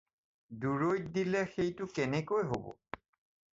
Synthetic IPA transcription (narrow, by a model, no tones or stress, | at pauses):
duɹojtd̪ilɛxejtukɛnekojɦobo̰